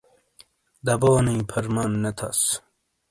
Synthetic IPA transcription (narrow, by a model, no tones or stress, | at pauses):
d̪ɐboːnĩːpʰɐɾmanːet̪ʰɐ̰s